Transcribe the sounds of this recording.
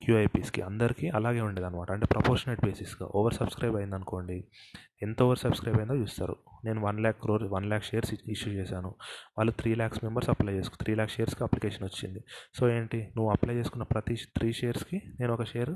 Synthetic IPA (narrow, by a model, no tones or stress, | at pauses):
kjuːɐjpiːskḭʔɐnd̪ɐɾikiːɐlaːɡe̞ːuɳɖeːd̪aɐnːɐmaːʈɐɳʈeːpɾɐpoːɾʃɐneːʈ̚beːsisɡa̰ʔoːʋɐɾsɐb̥skɾɐjbɐjind̪ɐnuko̞ːɳɖi | ent̪oːʋɐɾsɐbskɾɐjbɐjind̪oːt͡ʃuːst̪a̰ːɾṵne̞ːnuʋɐnlaːkːɾoːɾʋɐnlaːkʃejɐɾsiʂjut͡ʃɛːsaːnuʋaːlːut̪ʰɾiːlaːksmembɐɾsɐplɐjt͡ʃe̞ːsukt̪ʰɾiːlaːksʃeːjɐɾskiɐplikeːʂɐnʋot͡ʃːind̪iso̞ːeːɳʈinuʋːuɐplɐjt͡ʃe̞ːsu̥kunːɐpɾɐt̪it̪ʰɾiːʃeːjɐɾskine̞ːnuɔkɐʃeːjɐɾ